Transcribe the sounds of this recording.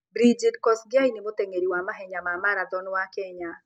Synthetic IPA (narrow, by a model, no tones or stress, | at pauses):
bɾid͡ʒidkɔsɡɪainimot̪eŋeɾiwamaɦɛɲamamaɾad̪ɔnwakɛɲa